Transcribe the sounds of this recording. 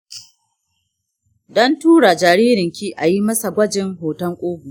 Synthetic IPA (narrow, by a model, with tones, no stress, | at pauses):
dɔ˦ntuː˦ɽa˨d͡ʒaː˨ɾiː˦ɾɪ˨ŋkʲiː˦ʔa˨ji˦mɐ˦sa˨ɡʷɐ˦d͡ʒɪ˨ŋɦoː˨tɐ˦ŋkʷʼoː˦ɡu˨